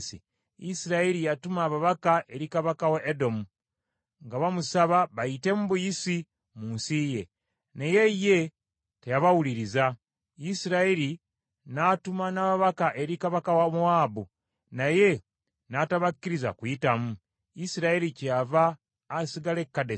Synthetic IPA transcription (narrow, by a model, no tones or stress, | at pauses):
sḭ | isiɾaeɾijatumaːβaβakaʔe̞ɾikaβakawaʔedo̞mu | ŋɡaβamusaβaβaite̞muβujisi | muːnsije̞ | neje̞je̞ | tejaβawuliɾiza | isiɾaeɾi | natumanaβaβakaʔeɾikaβakawamuaːbu | naje̞ | nataβakːiɾiza̰kujitamu | isiɾaeɾicavaː | siɡalekːade